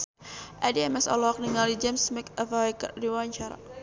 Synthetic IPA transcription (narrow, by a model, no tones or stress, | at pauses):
ʔadiɛmɛsɔ̰lɔk̚niŋalid͡ʒɛmsmɛkafaika̰diwaɲt͡ʃaɾa̰